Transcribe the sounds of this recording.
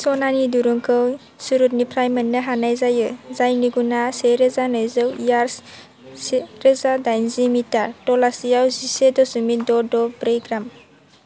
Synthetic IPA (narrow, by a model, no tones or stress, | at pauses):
sɔnaniduɾuŋkʰɯw | suɾut̚nipʰɾajmənːɯɦanajzajɯzajniɡunaseɾɯzanɔjzɯwijaɾs | seɾɯzadajnzimitaɾtɔlasijawzisedɔsumidɔdɔbɾeɡɾam